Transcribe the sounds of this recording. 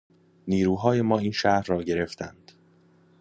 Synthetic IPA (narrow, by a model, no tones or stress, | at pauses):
niːɾuːɦɒːje̞mɒːiːnʃæɾrɒːɟe̞ɾe̞ft̪ʰænd̪̥